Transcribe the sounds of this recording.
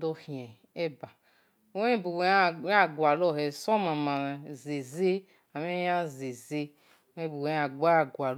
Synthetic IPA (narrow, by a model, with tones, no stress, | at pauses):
do˦hĩ˨ɛ̃˨ | ɛ˦ba˨˦ | e˦bu˨wa˦˨˦a˦˨ɡwa˨lɔ˦hɛ˨sɔ˦mã˨mã˨ze˨ze˦ | a˨me˦jã˦ze˨ze˦ | ẽ˦bu˨wja˨ɡ͡ba˦a˨ɡʷa˨l